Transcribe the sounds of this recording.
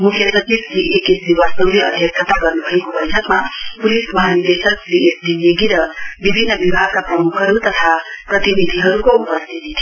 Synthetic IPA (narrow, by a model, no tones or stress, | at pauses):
mukʰjʌsʌt͡ʃibsiʔekitdiwasʌwliʌd̪ʱjʌk̪ʰət̪aɡʌɾnubʱʌekobʌjtʰʌkmapulismʌɦanid̪esʌk̚biesdinjeɡiɾʌbibʱinːʌbibʱaɡ̚kaprʌmukʰɦʌɾut̪ʌt̪ʰaprʌt̪inid̪ʱiɦʌɾukoupʌst̪ʰit̪it̪ʰi